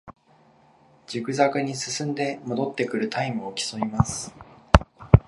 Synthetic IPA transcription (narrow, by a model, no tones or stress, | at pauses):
d͡ʑɨkɯ̟zakɯ̟ɲ̟isɨsɨ̃nd̪e̞mo̞d̪o̞t̪ːe̞kɯ̟ɾɯ̟t̪aimɯ̟okʲi̥somʲimasɨ̥